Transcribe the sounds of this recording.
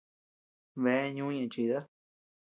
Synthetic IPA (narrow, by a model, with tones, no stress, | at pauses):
βe˨˦ɲũ˦ɲẽ˧˨t͡ʃi˧˨ða˦